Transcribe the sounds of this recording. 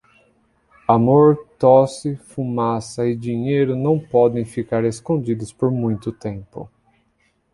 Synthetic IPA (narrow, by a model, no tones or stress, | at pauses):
amoɾt̪ɔsɪfumasɐɪd͡ʒiɲejɾʊnɐ̃w̃pɔd̪ẽj̃fikaɾeskõnd͡ʒid̪ʊspoɾmũj̃t̪ʊt̪ẽmpʊ̰